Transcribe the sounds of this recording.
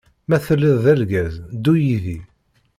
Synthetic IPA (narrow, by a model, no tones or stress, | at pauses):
mæθəlːiðˤðælɡæzd̪ujiði